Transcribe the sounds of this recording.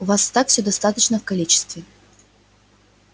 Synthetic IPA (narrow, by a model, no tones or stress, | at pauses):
ʊvast̪akfsʲɵd̪ɐst̪at̪ət͡ɕnəfkɐlʲit͡ɕɪ̥st̪vʲɪ